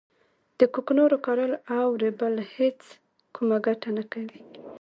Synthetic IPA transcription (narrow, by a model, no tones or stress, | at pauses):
d̪̥əkuknoɾokɑɾəlawɾebəlhet͡s | kʰumaɡaʈanakawi